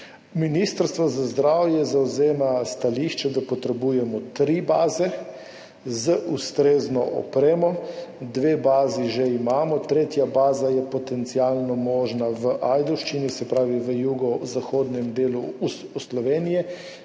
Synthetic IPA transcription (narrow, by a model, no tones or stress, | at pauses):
minist̪əɾst̪ʋɔzazd̪ɾaːwjɛzawzeːmast̪aliːʃt͡ʃɛd̪apɔt̪ɾɛbuːjɛmɔt̪ɾibaːzɛ | zəʔust̪ɾeːznɔʔɔ̰pɾeːmɔd̪ʋeːbaːziʒeimaːmɔt̪ɾeːt̪jabaːzajɛpɔt̪ɛnt̪sialnɔmɔːʒnaʋəʔajd̪ɔwʃt͡ʃinisɛpɾaːʋiʋəjuːɡɔzaxoːd̪nɛmd̪eːluuuslɔʋeːnijɛ